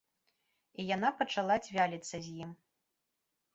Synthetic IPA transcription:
ijanapɐt͡ʂalˠad͡zʲvʲalʲit̪sːɐzʲjim

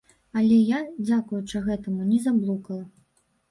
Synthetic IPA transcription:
ɐlʲɛjad͡zʲakujut͡ʂɐɣɛt̪ɐmunʲɛzablˠukɐlˠɐ

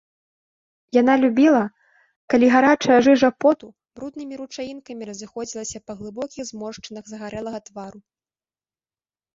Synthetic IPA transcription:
janalʲubʲilˠɐ | kalʲiɣaɾat͡ʂɐjɐʐɨʐɐpɔt̪u | bɾud̪̚nɨmʲiɾut͡ʂajinkɐmʲiɾɐzɨxɔd͡zʲilˠɐsʲɐpɐɣlˠɨbɔkʲiɣzmɔʂt͡ʂɨnɐɣzɐɣaɾɛlˠɐɣɐt̪vaɾu

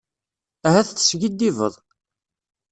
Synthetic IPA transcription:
æhæθθə̥sʝid̪ːivə̰ðˤ

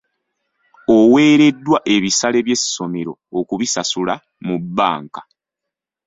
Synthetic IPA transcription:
owe̞ːɾe̞dːwaʔe̞βisale̞βje̞si̥so̞meɾo̞̰ːkuβisasula | mubːa̰ːŋkḁ

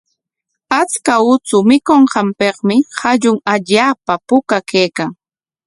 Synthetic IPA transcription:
at͡skaʊt͡sʊmɪkoɴɢɑmpeχmɪhaʎʊŋaʎaːpapʊkakeːkaŋ

